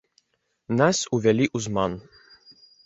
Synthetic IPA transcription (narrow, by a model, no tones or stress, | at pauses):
nasuvɛlʲiʔuzman